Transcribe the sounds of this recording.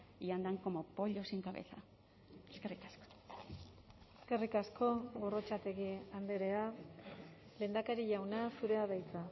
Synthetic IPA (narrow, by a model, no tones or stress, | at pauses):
iand̪aŋko̞mopo̞ʎo̞siŋkaβḛθa̰ | eskerikasko̥ | eske̞rikasko̞ɣo̞ro̞t͡ʃat̪e̞ɣiand̪eɾe̞a | le̞nd̪akaɾiʎawnasuɾe̞aðajt͡sa